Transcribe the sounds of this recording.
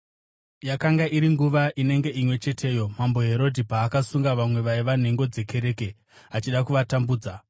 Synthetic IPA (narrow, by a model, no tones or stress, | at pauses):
jakaŋɡaʔiɾiŋɡuʋaʔine̞ŋɡe̞imwe̞t͡ʃe̞tʰe̞ːjo̞mambo̞ɦe̞ɾo̞dʱipaːkasuŋɡaʋamwe̞ʋaiʋan̤e̞ŋɡo̞d͡ze̞ke̞ɾe̞ːke̞ | at͡ʃiɗakuʋatambuːd͡za